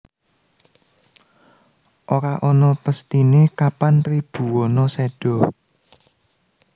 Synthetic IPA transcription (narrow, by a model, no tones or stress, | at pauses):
ʔoɾaʔɔnɔpəst̪inekapant̪ɾib̥ṳwɔnɔseɖ̥ɔ̤